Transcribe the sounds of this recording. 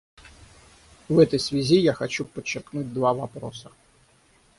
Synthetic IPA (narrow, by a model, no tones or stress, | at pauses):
ʋɛt̪əjsʋʲazʲijaxɐt͡ɕupət͡ʃːɪrknud̚ʲd̪ʋaʋɐpɾɔsɐ̥